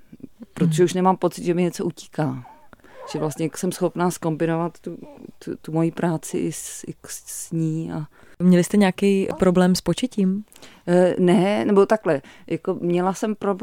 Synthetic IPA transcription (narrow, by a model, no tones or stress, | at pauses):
pɾot̪oʒɛuʃnɛmaːmpo̞t͡sɪd̪ʒɛmɪɲɛt͡so̞ʔuci̥ːkaː | ʒ̥ɛvlast̪ɲɛksɛmsxo̞pnaːsko̞mbɪnovat̪ːut̪umo̞jiːpɾaːt͡sɪʔɪsɪksɲiːʔa | mɲɛlɪst̪ɛɲaːkɛjpɾo̞blɛːmspot͡ʃɛciːm | nɛnɛbo̞t̪aklɛ | jʔakomɲɛlasɛmpɾob